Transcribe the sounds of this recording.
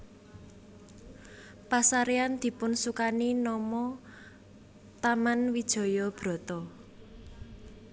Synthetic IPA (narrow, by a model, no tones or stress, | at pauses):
pasaɾeand̪̥i̤pʊnsukaninɔmɔ | t̪amanwid̥ʒ̥ɔ̤jɔb̥ɾɔ̤t̪ɔ